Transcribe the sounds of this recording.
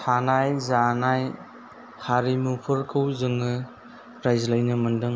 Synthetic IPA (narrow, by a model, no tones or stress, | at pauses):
tʰanajzanaj | haɾimupʰɯɾkʰɯwzɯŋɯ | ɾajzlajnɯmɯndɯŋ